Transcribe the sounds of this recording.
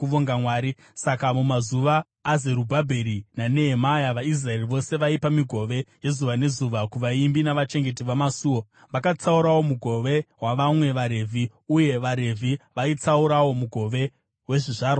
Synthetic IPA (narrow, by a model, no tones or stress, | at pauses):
uʋoŋɡamwaːɾi | sakamumazuʋaː | zeɾubʱabʱeɾinane̞ɦemajaʋais̬rae̞riʋo̞se̞ʋaipamiɡʱo̞ʋe̞je̞zuʋane̞zuʋakuʋaimbinaʋat͡ʃe̞ŋɡe̞t̬iʋamasuːwo | ʋakat͡sauɾawo̞muɡʱo̞ʋe̞waʋamwe̞ʋaɾe̞vʱi | uje̞ʋaɾe̞vʱiʋait͡sauɾawo̞muɡʱo̞ʋe̞ | we̞ʐiʐaːɾo